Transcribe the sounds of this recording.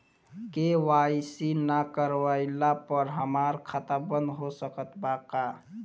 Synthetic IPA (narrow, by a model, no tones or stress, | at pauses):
kewaːsinəkəɾwaɪlapəɾɦəmaːɾkʰat̪abənd̪ɦosəkət̪ʰbaka